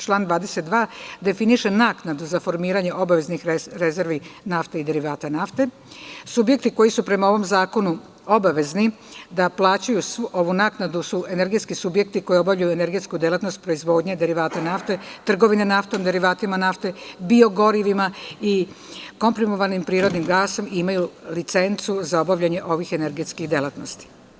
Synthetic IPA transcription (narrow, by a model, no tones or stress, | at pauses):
t͡ʃlˠaːnd̪ʋaːd̪e̞set̪̚d̪ʋaːd̪e̞finiʃe̞naːknad̪uzafo̞ɾmiːɾaɲe̞ʔo̞baʋe̞znixɾe̞ze̞ɾʋinaft̪eid̪e̞ɾiʋaːt̪anaft̪e̞ | subje̞k̚t̪iko̞jisupɾe̞mao̞ʋo̞mzaːko̞nu | o̞baʋe̞zni | d̪aplˠaːt͡ɕujuso̞ʋunaːknad̪usue̞ne̞ɾɡe̞t̪skisubje̞k̚t̪iko̞jio̞bavʎajuene̞ɾɡe̞t̪skud̪jelˠat̪nost̪̚pɾo̞izʋo̞ːd̪ɲed̪e̞ɾiʋaːt̪anaft̪e̞t̪r̩ɡo̞ʋinenaft̪o̞md̪e̞ɾiʋaːt̪imanaft̪e̞bio̞ɡo̞ɾiʋimai | ko̞mpɾimoʋanimpɾiːɾo̞d̪nimɡaːso̞miimajulit̪se̞nt̪suzao̞baʋʎaɲe̞ʔo̞ʋixeneɾɡet̪skixd̪elat̪no̞st̪i̥